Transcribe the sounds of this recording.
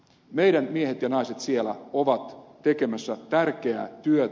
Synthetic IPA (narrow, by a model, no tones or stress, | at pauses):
mejɾænmiehet̪jɑnɑjset̪sielæ̰oʋɑt̪ː | ekemæsːæt̪ærk̟eæ̰t̪yø